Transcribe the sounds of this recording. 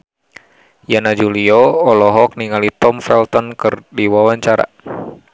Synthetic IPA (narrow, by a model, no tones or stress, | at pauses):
janad͡ʒuliɔːlɔɦɔk̚niŋalit̪ɔmfɛlt̪ɔnkɨrdiwawaɲt͡ʃaɾa̰